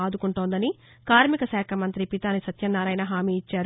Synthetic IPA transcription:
aːd̪ukuɳʈoːnd̪ɐni | kaːɾmikɐsaːkʰɐmɐnt̪ɾipit̪aːnisɐt̪jɐnːaːɾɐjnɐɦaːmiːit͡ʃːaːɾ

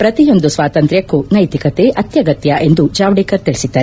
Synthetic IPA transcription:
pɾɐt̪ijo̞nd̪usʋaːt̪ɐnt̪ɾjɐkːunɐjt̪ikɐt̪eʔɐt̪jɐɡɐt̪jɐʔe̞nd̪ud͡ʒaːʋɽiːkɐɾt̪iɭisid̪ːaːɾe

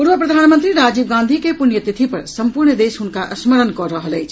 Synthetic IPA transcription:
puɾʋəpɾəd̪ʱanmənt̪ɾiɾad͡ʒib̚ɡãnd̪ʱikepunjət̪it̪ʰipəɾsəmpuɾnəd̪esɦunkaʔəsməɾənkɔɾəɦələjt͡ʃʰ

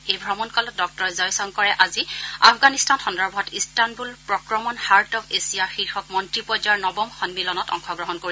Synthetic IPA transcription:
ejbʱɹɔmɔnkɔlɔt̚dɔk̚tɔɹɛzɔjsɔŋkɔɹɛʔazia̰pʰɡanistanxɔndɔɹbɦɔtistanbulpɹɔkɹɔmɔnhaɹtɔkesijaxiɹxɔk̚mɔntɹipɔzaɹnɔbɔmxɔnmilɔnɔtɔ̰ŋxɔɡɹɔɦɔnkoɹi

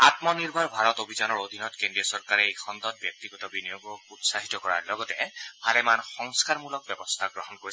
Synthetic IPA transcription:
at̪mɔniɹbʱaɹbʱaɹɔtobʱizanɔɹod̪ʱinɔtkendiɔsɔɹkaɹɛekʰɔnd̪ɔt̚bjɔk̚t̪iɡɔtɔbinijoɡɔutsaɦitɔkɔɹa̰ɹlɔɡɔtɛpʰalɛmanxɔŋskaɹmulɔk̚bɛbɔst̪ʰaɡɹɔɦɔnkoɹi

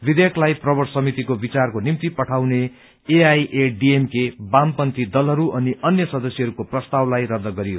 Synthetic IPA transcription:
bid̪ekʰlajprʌbʌʈsʌmit̪ikobit͡sarkonimt̪ipʌʈʰawne | eajʔeɖiemkebampʌnt̪id̪ʌlɦʌɾuʔʌniʔʌnjʌsʌd̪ʌsiɦʌɾukoprʌst̪awlajrʌd̪ːʌɡʌɾijo

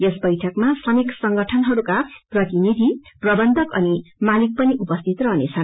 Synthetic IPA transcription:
jesbʌjʈʰʌkmasʰʌniksʌŋɡʌʈʰʌnɦʌɾukaprʌt̪inid̪ʱiprʌbʌnd̪ʱʌkʌnimalik̚pʌniʔupʌst̪ʰit̪rʌɦnet͡sʰʌn

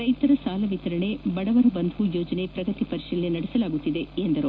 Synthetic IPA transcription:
ɾɐjt̪ɐɾɐsaːlɐʋit̪ɐɾɐɳebɐɽɐʋɐɾɐbɐnd̪ʱujoːd͡ʒɐne̞pɾɐɡɐt̪ipɐɾiʃilnenɐɽesɐlaːɡut̪ːid̪e̞end̪ɐɾu

